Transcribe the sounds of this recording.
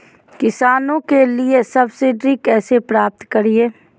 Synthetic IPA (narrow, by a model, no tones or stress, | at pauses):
kɪsaːnõkeliesɐbsɪɖɾikɛːsepɾaːp̚t̪kɐɾieː